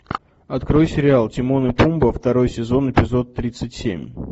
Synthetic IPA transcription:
ɐt̪kɾo̞jsʲɪɾʲɪalˠtʲɪmo̞nɨpumbəft̪ɐɾo̞jsʲɪzo̞nɪpʲɪzo̞t̪ːɾʲit̪sɨtʲsʲḛmʲ

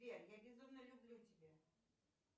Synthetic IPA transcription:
ajaɡʲizɔmnɐlʲublʲutʲibʲa

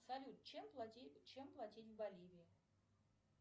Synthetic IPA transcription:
sɐlʲut̪̚t͡ɕemplˠatʲit͡ɕemplˠɐtʲitʲvbɐlʲivʲi

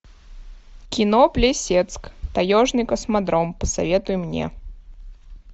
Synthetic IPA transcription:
kʲɪnoplʲɪsʲet̪skt̪ɐjoʐnɨjkəsmɐd̪ɾompəsɐ̰vʲet̪ʊjʊmnʲḛ

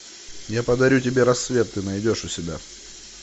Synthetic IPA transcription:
japəd̪ɐɾʲutʲɪbʲe̞ɾɐsːvʲe̞t̪ːɨnɐjdʲo̞ʂʊsʲɪbʲa

